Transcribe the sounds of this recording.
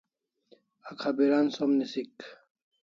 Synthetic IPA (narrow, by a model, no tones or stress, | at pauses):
akʰabiɾansomnisik